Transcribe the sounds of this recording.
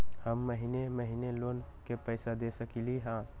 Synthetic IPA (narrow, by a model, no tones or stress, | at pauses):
həmːəɦineməɦineloːnkepəɪsad̪esəkiliɦãː